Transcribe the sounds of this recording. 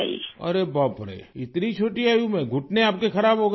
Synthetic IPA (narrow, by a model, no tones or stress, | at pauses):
ḭɐ̰ɾebɔːt̪̚bɐɽḛɪt̪nit͡ʃʰoːʈiaːjũmɛ̃ɡʱʊʈneaːp̚kexɐɾaːbɦoːɡ